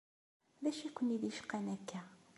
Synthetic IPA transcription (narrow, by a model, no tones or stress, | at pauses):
ðæʃikʷːəniðiʃqːænækʰːæ